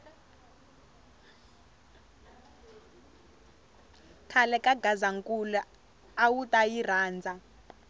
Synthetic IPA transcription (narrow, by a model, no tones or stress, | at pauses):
kʰalɛkʼaɡazaŋkʼulɛ | awutʼajiraːnd͡zʱa